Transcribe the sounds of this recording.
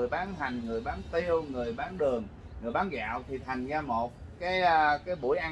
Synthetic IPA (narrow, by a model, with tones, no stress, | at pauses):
əjɓaː˨˦nɦa˨˩jŋ̟ŋɨ˨˩əjɓaː˨˦nt̪i˧əwŋɨ˨˩əjɓaː˨˦nɗɨ˨˩əŋ | ŋɨ˨˩əjɓaː˨˦nɣa̰ː˧˨wt̪ʰi˨˩t̪ʰa˨˩jŋ̟zaː˧mo˨˩t̚kaː˨˦jkaː˨˦jɓṵ˧˩əjʔa˧